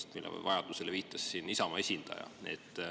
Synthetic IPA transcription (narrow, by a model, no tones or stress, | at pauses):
st̪milːḛvɑjɑd̪̥use̞le̞viːt̪ˑːɑssiːnisɑmɑe̞sʲind̪̥ɑ̰jɑ̰e̞̰t̪ːˑ